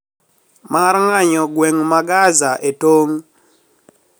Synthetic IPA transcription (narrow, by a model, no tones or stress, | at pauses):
marŋaɲɔɡweŋmaɡazaʔetoŋ